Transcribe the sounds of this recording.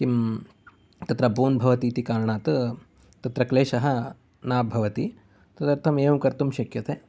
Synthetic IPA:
kim | t̪ɐt̪ɾɐbuːnbʱɐʋɐt̪iːt̪ikaːɾɐɳaːt̪ | t̪ɐt̪ɾɐkleːʃɐɦɐ̆ | naːbʱɐʋɐt̪i | t̪ɐt̪ɐɾt̪ʰɐmeːʋukɐɾt̪umʃɐkjɐt̪ʰeː

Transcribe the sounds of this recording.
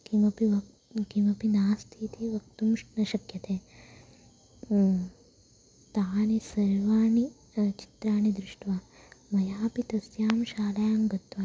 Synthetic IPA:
kimɐpiʋɐ | kimɐpinaːst̪ʰiːt̪ʰiːʋɐk̚t̪umʂnɐʃɐkjɐt̪ʰeː | t̪aːnesɐɾʋaːɳi | t͡ʃi̥t̪ɾaːɳid̪ɾuʂʈʋamɐjaːpit̪ɐsjaːmʃaːlɐjaːmɡɐt̪ʋɐ

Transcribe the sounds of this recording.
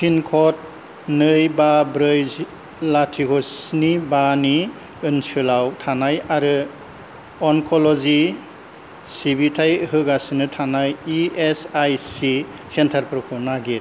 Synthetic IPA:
pʰinkʰɔt̚ | nɯjbabɾɯj | latʰikʰɔsnibani | ɯnsɯlawtʰanajaɾɯ | ɔŋkʰɔlɔzi | sibitʰajhɯɡasnɯtʰanajiesajsi | sentʰaɾpɾɔkʰunaɡit

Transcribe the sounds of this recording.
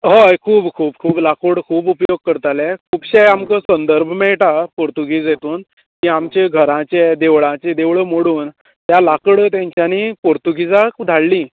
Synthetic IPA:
ɦojkʰuːpkʰuːb̚kʰuːplakoɽkʰuːpupjoɡ̚kəɾt̪alɛkʰuːpɕejamkəsənd̪əɾbʱəmɛɭʈapoɾt̪uɡid͡zjet̪uːn | kiamt͡ɕeɡʱəɾãt͡ɕed̪eʋɭãt͡ɕed̪eʋɭəmoɽuːn | t̪jalakɽəːt̪jãɲt͡ɕjaniːpoɾt̪uɡid͡zakd̪ʱaɭlĩː

